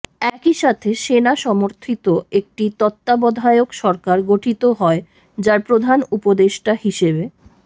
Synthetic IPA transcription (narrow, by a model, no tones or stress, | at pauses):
ɛkiʃat̪ʰeʃenaʃɔmoɾt̪ʰit̪oek̚ʈit̪ɔt̪ːabɔd̪ʱaeokʃɔɾkaɾɡoʈʰit̪oɦɔe | d͡ʑaɾpɾod̪ʱanupod̪eʃʈahiʃebe